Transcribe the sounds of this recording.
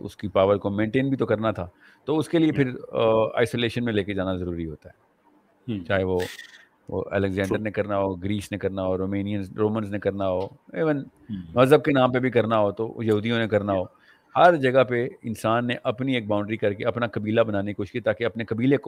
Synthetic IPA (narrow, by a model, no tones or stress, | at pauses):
ʊ̰skipaːʋəlkomẽːɳʈeːnbʱit̪okɐɾnat̪ʰaː | t̪oʊskeliepʰɪɾa̰ːɪsoːleːʃənmẽleːked͡ʒaːnazɐɾuːɾiɦoːt̪aɦɛː | t͡ʃaːɦeʋo | ʋo̰ʔɛ̰lɛkzɛ̃ːɳɖəɾnẽkɐɾnaɦoːɡɾiːsnekɐɾnaɦoːɾoːmeːnijə̃nzɾoːmə̃nznẽkɐɾnaɦoːeːʋənmɐzəb̚kenãːmpebʱikɐɾnaɦot̪o̰jɐɦuːd̪ijõnekɐɾnaɦoː | hɐɾd͡ʒɐɡəɦpeɪnsaːnːeʔɐpnieːk̚bãːʊ̃ɳɖɾikɐɾkeɐpnakɐbiːlabɐnaːneikʊʃkit̪aːkeɐpnekɐbiːleko